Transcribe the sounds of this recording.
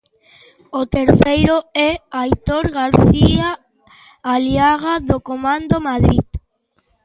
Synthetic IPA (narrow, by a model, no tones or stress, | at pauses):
ot̪eɾθejɾoɛajt̪oɾɣaɾθiaː | ljaɣaðokomãnd̪omaðɾið